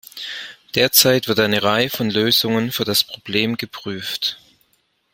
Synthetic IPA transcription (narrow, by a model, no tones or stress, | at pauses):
d̥eːɐt͡saɪtv̥ɪɐtʔaɪnəʁaɪəfɔnløːzʊŋənfyːɐdaspʁ̥ob̥leːmɡəpʁ̥yːft